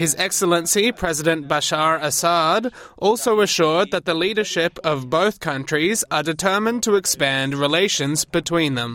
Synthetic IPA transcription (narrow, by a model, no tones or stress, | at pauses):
hɨzɛksl̩ˠə̃nsipʰɹ̥ɛzɪɾɨ̃nb̥aʃɑɹəsɑdʔɔlˠsoʊəʃʊɹd̪̚ðət̪̚ðəliɾə˞ʃɪpʌvboʊθkʰʌ̃nt͡ʃɹ̥izə˞dɨtʰɜ˞mə̃ntʰəɨkspæ̃ndɹɪleɪʃɨ̃nzb̥ɨtʰw̥ĩnðə̃m